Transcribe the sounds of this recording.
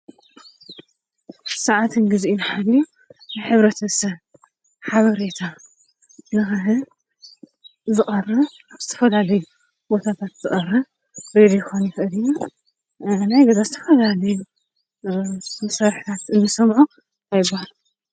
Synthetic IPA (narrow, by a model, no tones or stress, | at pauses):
sɐʕat̪ʰɨnɡɨziʔinħadiju | nɨħɨβɾɐt̪ʰɐsɐβ | ħaβɐɾet̪ʰa | nɨxɨɦɨ | zɨχʼɐrɐ | zɨt̪ʰɐ̥fɐlalɐju | bo̞t̪ʰat̪ʰat̪z̥ɨkʼɐrɐ | ɾed̪jɛxonjɪxɨʔɨd̪iju | najɡɐzazɨt̪ʰɐ̥fɐlalɐju | mɨsɐɾħi̥t̪ʰat̪ɨnːɨsɐmʕu | ʔajɪbːahalu